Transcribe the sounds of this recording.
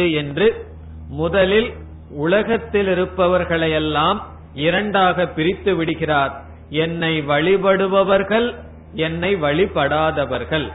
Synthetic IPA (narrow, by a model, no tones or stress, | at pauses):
ɯɛndrɯ | mʊðɐlɪl | ʊlɐɣɐt̪ːɪlɪɾɯpːɐʋɐɾɣɐɭɐɪjɛlːaːm | ɪɾɐɳɖaːɣɐpːɪɾɪt̪ːɯʋɪɽɯɣɪraːɾ | ɛnːɐɪʋɐɭɪpɐɽɯʋɐʋɐɾɣɐɭ | ɛnːɐɪʋɐɭɪpːɐɽaːðɐʋɐɾɣɐɭ